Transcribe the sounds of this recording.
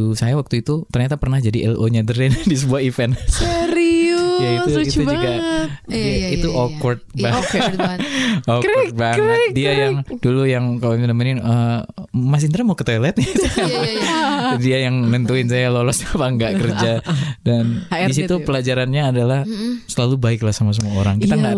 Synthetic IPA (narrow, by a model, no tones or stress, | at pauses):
usajawak̚t̪uit̪ut̪ərɲat̪apərnahd͡ʒadiʔɛloɲadəɾɛndisəbuahifɛnsɾijait̪uiud͡ʒuka | it̪uʔokwɔrt̪̚ba | ot̪̚baŋdiajaŋdulujaŋkaloimt̪unamanɪnə | mas̬int̪əɾamaukət̪ojlɛt̪̚ɲasa | diajaŋnənt̪uɪns̬ajalolɔsapaŋɡaʔkərd͡ʒadandis̬it̪upəlad͡ʒaɾanɲaːdalahsəlalubaɪklahsamas̬əmuaoɾaŋkit̪aŋɡaʔ